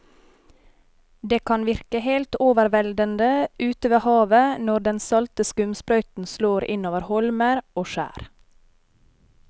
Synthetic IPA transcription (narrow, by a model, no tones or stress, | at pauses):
d̪eːkʰɑnʋɪɾkəheːlt̪oːʋəɾʋɛld̪ənd̪əʔʉːt̪əʋeːhɑːʋənɔɖɛnsɑlt̪əskʉmspɾœʏt̪n̩sloːɾɪ̰noːʋəɾhɔlməɾoːʃæ̰ːɾ